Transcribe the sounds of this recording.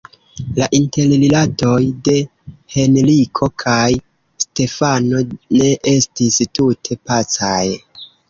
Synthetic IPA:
laʔinte̞llilato̞jde̞ | he̞nlikʰo̞kʰaj | ste̞fano̞ne̞ʔe̞stistutʰe̞pat͡saj

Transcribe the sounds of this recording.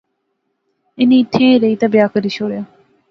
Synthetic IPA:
ɪnĩːt̪ʰːẽːɾeiːt̪abɪjaːkəɾiːʃoːɽjaː

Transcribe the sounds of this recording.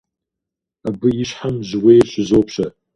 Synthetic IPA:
abɨjɪʃħamʒwejt͡ʃʷʰzowpʰʃa

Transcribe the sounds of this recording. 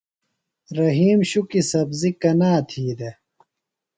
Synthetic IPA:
ɾɐɦiːmɕukisɐbzikɐnaːt̪ʰiːd̪e

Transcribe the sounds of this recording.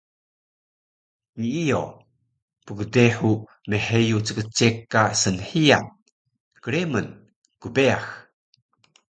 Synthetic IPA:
ɲiijo | puɡədeħu | meħejut͡səkət͡sekːasənħia̰n | kəɾemən | kubeax

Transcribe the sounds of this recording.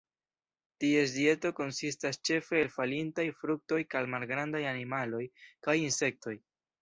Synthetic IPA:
tie̞sdie̞to̞ko̞nsistast͡ʃe̞fe̞ːlfalintajfɾuk̚to̞jkalmalɡɾandajanimalo̞jkajinse̞k̚to̞j

